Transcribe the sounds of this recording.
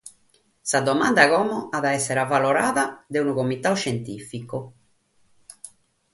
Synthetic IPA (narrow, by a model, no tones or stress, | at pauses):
sad̪ɔmand̪aɣɔmɔʔaðaɛsːɛɾavalɔɾaːðad̪eunukomit̪auʃent̪ifiko